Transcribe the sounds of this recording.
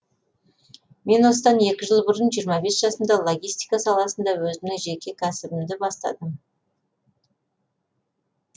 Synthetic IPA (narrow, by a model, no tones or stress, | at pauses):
me̞nwo̞səd̪ɑne̞kʲɪʒəlˠbəɾənʒijɾmɑbe̞sʒ̥ɑsənd̪ɑlˠoɡʲijst̪ijkɑsɑlˠɑsənd̪ɑwɵzɪmnɪŋʒekʲe̞kʲʰæsɪbɪmd̪ɪbɑst̪ɑ̰d̪əm